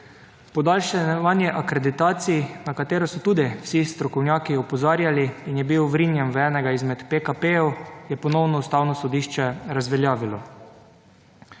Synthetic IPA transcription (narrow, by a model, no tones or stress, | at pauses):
pɔd̪aːlʃɛʋanjɛʔakɾed̪it̪aːt̪siinakat̪eːɾɔsɔt̪uːd̪iwsist̪ɾɔkɔwnjaːkiɔpɔzaːɾjaliːnjɛbiwʋɾinjanʋɛːnɛɡaizmɛt̪pekapejɛwjɛpɔnɔwnɔust̪aːwnɔsɔd̪iːʃt͡ʃɛɾazʋɛljaːʋilɔ